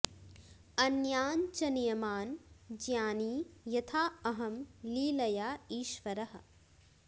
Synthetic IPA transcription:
ɐnjaːnt͡ʃɐnijɐmaːnd͡ʒjaːniːjɐt̪ʰaːɐɦɐmliːlɐjaːiːʃʋɐɾɐɦɐ̆

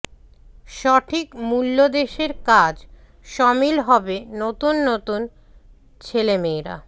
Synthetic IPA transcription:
ʃɔʈʰikmulːod̪eʃeɾkad͡ʑ | ʃɔmilɦɔbenot̪unːot̪un | t͡ɕʰelemeɾa̰

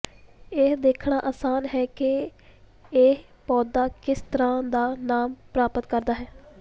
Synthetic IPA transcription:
ed̪eːkʰɳaːʔaːsaːnɦɛːkɪ | eː | pɔːd̪aːkɪst̪əɾãːd̪aːnaːmpɾaːpət̪kəɾd̪aːɦɛː

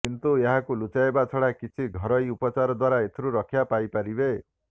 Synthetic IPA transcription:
kint̪ueɦãkulut͡ʃaebat͡sʰɔɽakit͡sʰiɡʱʌɾʌjupɔt͡saɾɔd̪waɾaet̪ʰiɾuɾʌkʰjapajpaɾibe

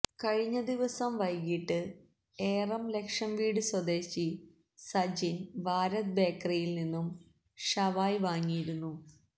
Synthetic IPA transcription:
kɐɻiɲːɐd̪iʋɐsɐmʋɐjkiʈːɨ | eːrɐmle̞kʂɐmʋiːɽɨswɐd̪e̞ːɕi | sɐd͡ʑinʋaːɾɐt̪̚be̞ːkrɐjilninːum | ɕɐʋaːjʋaːŋːijiɾunːu

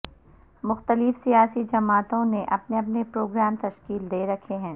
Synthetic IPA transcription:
mʊxt̪əlɪfsijaːsid͡ʒɐmaːt̪õneʔɐpneɐpnepɾoːɡɾaːmt̪ɐʃkiːld̪eːɾɐkʰeɦɛ̃ː

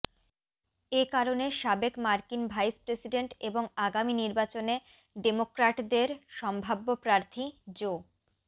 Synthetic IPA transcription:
ekaɾoneʃabekmaɾkinbʱajspɾesiɖeɳʈeboŋaɡaminiɾbat͡ɕone | ɖemokɾaʈd̪eɾʃɔmbʱabːopɾaɾt̪ʰid͡ʑo

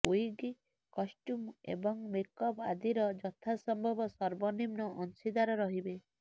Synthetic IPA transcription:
ojɡi | kɔsʈumḛbɔŋmekɔba̰d̪ʱiɾɔd͡ʒɔt̪ʰasɔmbʱɔbɔsɔɾbɔnimnɔʔɔnsid̪aɾɔɾɔɦibe

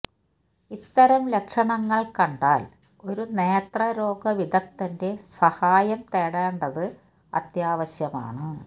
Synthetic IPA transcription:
it̪ːɐɾɐmlekʂɐɳɐŋːɐɭkɐɳɖaːl | o̞ɾuneːt̪rɐɾo̞ːɡɐʋid̪ɐk̚t̪ɐnde̞sɐhaːjɐmt̪eːɽeːɳɖɐðɨ | ɐ̰t̪jaːʋɐɕjɐma̰ːɳɨ

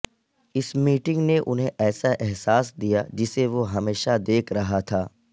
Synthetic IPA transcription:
ɪsmiːʈɪ̃ŋɡneʔʊnɦẽʔɛːsaʔɛɦsaːsd̪ijad͡ʒɪseʋoɦɐmeːʃad̪eːkʰɾɐɦat̪ʰaː

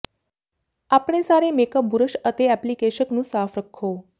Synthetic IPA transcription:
apɳ̃esaɾemekəbuɾəʃət̪eɛplikeʃəknũsaːfɾəkʰːo

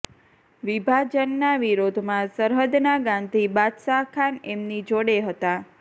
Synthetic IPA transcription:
ʋibʱad͡ʒənːaʋiɾod̪ʱmãsəɾɦəd̪naɡãnd̪ʱibad̪sakʰanemnid͡ʒoɽeɦət̪a

